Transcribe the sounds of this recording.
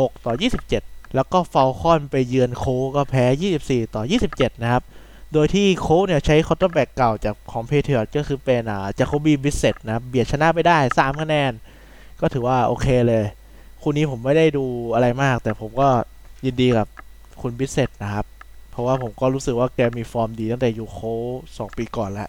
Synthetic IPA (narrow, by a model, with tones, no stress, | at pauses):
ho˨˩k̚t̪ɔː˨˩jiː˥˩si˨˩p̚t͡ɕe˨˩t̪̚lɛː˦˥wkɔː˥˩fa˧wxʰɔː˥˩npa˧jːɯ˧ənkʰoː˦˥kɔː˥˩pʰɛː˦˥jiː˥˩si˨˩p̚siː˨˩t̪ɔː˨˩jiː˥˩si˨˩p̚t͡ɕe˨˩t̪̚na˦˥kʰa˦˥p̚ | doː˧jt̪ʰiː˥˩kʰoː˦˥ni˥˩ɐt͡ɕʰa˦˥jkʰo˧˦˥t̪ɔ˧˥˩bɛː˨˩kːa˨˩wt͡ɕaː˨˩k̚kʰɔː˩˦ŋpʰeː˧t̪ʰɯː˨˩t̪̚kɔː˥˩xʰɯː˧pe˧nʔaː˨˩t͡ɕaː˨˩kʰːa˦˥biː˧bi˦˥se˨˩t̪̚na˦˥kʰa˦˥˩p̚bi˨˩ət̪̚t͡ɕʰna˦˥pa˧jdaː˥˩jsaː˨˩˦mkʰa˥˩nɛː˧˩n | kɔː˥˩t̪ʰɯː˩˦waː˥˩ʔoː˧kʰeː˧lɤː˧j | kʰu˧niː˦˥pʰo˩˦mːa˥˩jda˥˩jduː˧ʔa˧ɾa˧jmaː˥˩k̚t̪ɛː˨˩pʰo˩˦mkɔː˥˩ji˧ndiː˧ka˨˩p̚ | kʰu˧nbi˦˥t̪̚se˨˩t̪̚na˦˥kʰa˦˥p̚pʰɾɔ˦˥waː˥˩pʰo˩˦mkɔː˥˩ɾuː˦˥sɯ˨˩k̚waː˥˩kɛː˧miː˧fɔː˧mdiː˧a˥˩ŋt̪ɛː˨˩juː˨˩kʰoː˦˥sɔː˩˦ŋpiː˧kɔː˨˩nlɛ̰˦˥ʔ